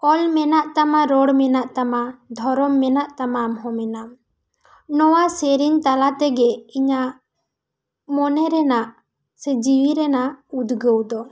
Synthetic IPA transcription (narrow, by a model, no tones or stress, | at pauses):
ɔlmɛnaʔt̪amaɾɔɽmɛnaʔt̪amad̪ʱɔɾɔmːɛnaʔt̪amamɦɔmɛnam | nɔwasɛɾiɲt̪alat̪ɛɡɛiɲa | mɔnɛɾɛnaʔ | sɛd͡ʒiwiɾɛnaud̪ɡəwd̪ɔ